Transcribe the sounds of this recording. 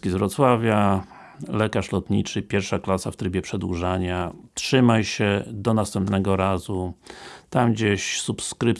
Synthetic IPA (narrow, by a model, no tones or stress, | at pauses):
kʲizvɾɔt̪swavʲja | lɛkaʂlɔt̪ɲit͡ʂɘpʲjɛɾfʂaklasaft̪ɾɘbʲjɛpʂɛd̪wuʐaɲatʂɘmajɕɛd̪ɔnast̪ɛmpnɛɡɔɾazut̪amɡd͡ʑeɕsupskɾɘp